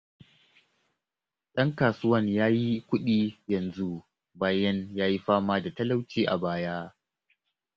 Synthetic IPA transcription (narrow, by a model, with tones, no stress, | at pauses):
ɗɐ˦ŋkaː˨sʊ˦wɐ˦ɲjaː˦ji˦kʷʊ˦ɗiː˦jɐ˨nzu˦ | baː˦jɐ˦njaː˦ji˦ɸaː˦maː˦da˨tɐ˦la˦wt͡ʃiː˦ʔa̰˨baː˦jaː˦